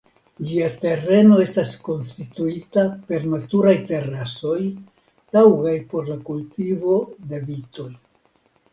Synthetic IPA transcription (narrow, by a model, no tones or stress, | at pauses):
d͡ʒiate̞ɾe̞no̞e̞stasko̞nstituitape̞ɾnatuɾajte̞ɾaso̞j | tawɡajpo̞ɾlakultivo̞de̞vito̞j